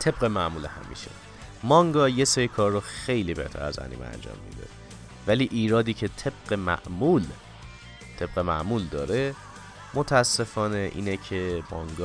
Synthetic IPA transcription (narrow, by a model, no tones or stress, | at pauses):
t̪ʰe̞bɢe̞mæʔmuːlehæ̰mḭːʃḛ | mɒŋɡɒːjesejikʰɒːrːoxe̞jliːbe̞̰ht̪ʰæ̰ɾæ̰zæ̰nḭːmḛæ̰nd͡ʒɒ̰ːmːḭd̪ḛ | væliːʔiːɾɒːd̪iːcʰe̞t̪ʰe̞b̥̚ɢemæ̰ʔmul | t̪ʰe̞b̥ɣemæ̰ʔmuːld̪ɒːɾe̞ | mot̪ʰææsːe̞fɒːne̞ʔḭːnecʰemɒŋɡɒ